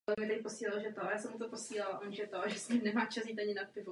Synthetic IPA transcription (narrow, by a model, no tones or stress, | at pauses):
lɛmɲɪt̪ɛkɪposiːlalʒɛt̪oajaːsɛmut̪oposiːlalamuʒɛt̪oʒɛsɲiːmnɛmaːt͡ʃas̬ɲiːt̪aɲɪnat̪̚pɪvu